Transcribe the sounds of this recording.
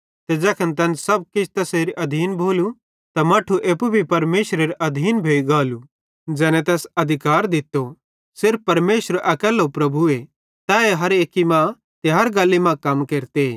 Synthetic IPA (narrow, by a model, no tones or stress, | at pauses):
t̪ɛd͡ʒɛːkʰənt̪̬ɐ̃nsɐb̚kɪt͡ʃʰt̪ɐseːɾiʔɐd̪ʱiːnbʱoːlu | t̪amɐːʈʰuʔeːpubʱipɐɾmeːʃɾeɾʔɐd̪ʱiːnbʱeːiɡaːlu | d͡ʒɛːnɛt̪ɛːsɐd̪ʱɪkaːɾd̪ɪt̪ːo | sɪɾfpɐɾmeːʃəɾʔɐkɛːlopɾɐbʱue | t̪aːeɦɐɾeːkːimã | t̪eɦaːɾɡaːlːimãkɐmkeːɾt̪e